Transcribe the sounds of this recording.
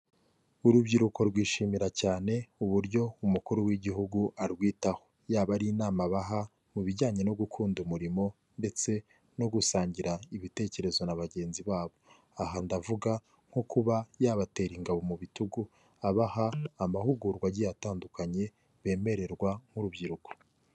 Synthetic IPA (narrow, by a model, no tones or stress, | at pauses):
uɾubɟiɾuko̞ɾɡwiːʃiːmiɾacaːne̞uβuɾɟo̞umukuɾuwiɟiɦuɡuʔaɾɡwiːtaho̞ | jaːβaɾinaːmaβaɦa | muβiɟaːɲe̞no̞ɡukʰuːndumuɾimo̞ | nde̞t͡se̞ | no̞ɡusaːɲɟiɾaiβite̞ːce̞ɾe̞zo̞naβaɟe̞ːnziβaːβo̞ | aɦandavuɡa | ŋ̥hokuβajaːβate̞ːɾiŋɡaβo̞muβituɡu | aβahaːmahuɡuɾɡwaɟijataːndukaɲe̞ | βe̞ːme̞ɾe̞ɾɡwaŋ̥huɾubɟiɾuko̥